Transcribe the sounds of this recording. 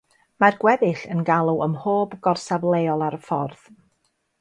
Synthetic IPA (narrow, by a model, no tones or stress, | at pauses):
marɡ̥wɛðɪɬənɡalˠuəmhoːbɡɔrsavlˠeɔlˠaɾəfɔrð̥